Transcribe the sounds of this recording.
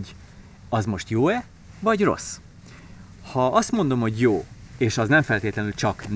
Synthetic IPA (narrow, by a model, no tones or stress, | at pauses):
ɟ | ɒzmo̞ʃt̪joːɛ | vɒɟro̞̰s | hɒɒst̪mo̞nd̪o̞mho̞ɟjoːeːʃɒznɛɱfɛlt̪eːt̪lɛnylt͡ʃɒkn